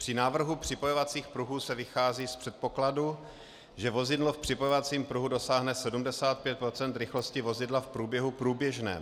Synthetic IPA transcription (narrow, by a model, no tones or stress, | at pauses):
pr̥ɪnaːvr̩ɦupr̝̥ɪpojovat͡siːxpɾuɦuːsɛvɪxaːziːspr̝̥ɛt̪̚po̞kladu | ʒɛvo̞zɪdlofpr̥ɪpojovat͡siːmpɾuɦudo̞saːɦnɛsɛdumdɛsaːt̪̚pjɛt̪̚pɾo̞t͡sɛnt̪ɾɪxlo̞scɪvo̞zɪdlafpɾuːbjɛɦupɾuːbjɛʒnɛ̰ː